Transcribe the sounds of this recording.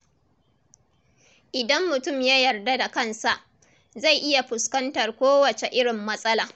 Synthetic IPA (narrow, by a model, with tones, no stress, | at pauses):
ʔɪ˨dɐ˦mːʊ˨tʊ˦˨mja˦jɐ˨rda˦da˨kɐ˦nsa˨ʔ | za˦˨jʔɪ˦ja˨ɸʊ˨skɐ˦ntɐ˨rkʷoː˦wɐ˨t͡ʃe˨ʔɪ˦ɽɪ˨mːɐ˦sʼɐ˦laː˨